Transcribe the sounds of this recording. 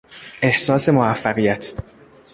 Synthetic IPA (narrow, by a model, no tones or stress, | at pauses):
ʔe̞hsɒːse̞moæfːæɣijæt̪ʰ